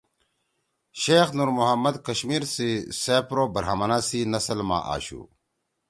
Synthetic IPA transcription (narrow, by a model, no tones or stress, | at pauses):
ɕeːxnuɾmuɦɐmːɐd̪kɐɕmiːɾsiseːpɾoːbɐɾɦamɐnaːsiːnɐslmã̰ːʔa̰ːɕṵː